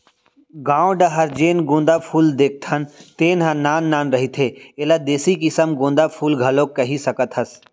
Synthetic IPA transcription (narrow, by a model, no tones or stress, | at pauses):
ɡãːõɖaɦɐɾd͡ʒeːnɡõːnd̪apʰuːld̪eːk̚t̪ʰɐnt̪eːnɦãnːaːnːaːnɾɐɦit̪ʰeːelad̪eːsikɪsəmɡõːnd̪aːpʰuːlɡʱɐlõkːɐɦisɐkət̪ʰɦɐs